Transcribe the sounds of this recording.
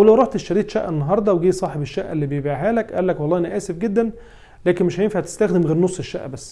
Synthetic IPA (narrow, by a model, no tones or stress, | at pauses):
ʔæwlæwɾˤɑħt̪eʃːæɾiːt̪ʃæʔːenːɑɦɑːɾˤd̪ˤɑweɡiːsˤɑːħebeʃːæʔːelːiːbejebʔiʕɦæːlækʔæ̰lːækwɑlˤːɑːʔnæʔæːsefɡed̪ːæn | læːkenmeʃhæjenfæʕt̪e̥st̪æxd̪emɣeːɾnosˤːeʃːæ̰ʔːbæsː